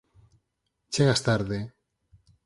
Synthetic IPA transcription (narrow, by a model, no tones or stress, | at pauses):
t͡ʃeɣast̪aɾðe